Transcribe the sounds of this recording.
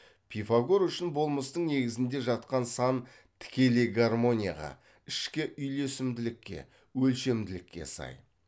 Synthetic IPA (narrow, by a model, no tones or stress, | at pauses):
pʰijfaɡoɾʏʃɪnbo̞lˠməst̪əɴne̞ɡʲɪzɪnd̪e̞ʒɑt̪qɑnsɑn | t̪ʰɪ̥kʲe̞leɡarmo̞nʲija̰ʁɑ̰ | ɪʃkʲɪʔʏjle̞sɪmd̪ɪlɪkʲːe̞̰ | wɵlʃe̞md̪ɪlɪkʲːe̞̰sɑ̰j